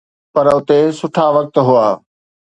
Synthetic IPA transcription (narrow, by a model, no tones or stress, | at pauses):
pɐɾʊt̪esʊʈʰaʋɐk̚t̪ɦʊaː